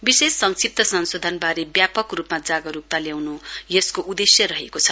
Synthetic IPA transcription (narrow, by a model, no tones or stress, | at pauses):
bisesːʌŋsip̚t̪ʌsʌnsod̪ʱʌnbaɾebjapʌkrupmad͡zaɡʌɾuk̚t̪aljawnujeskoʔud̪esjʌɾʌɦekot͡sʰʌ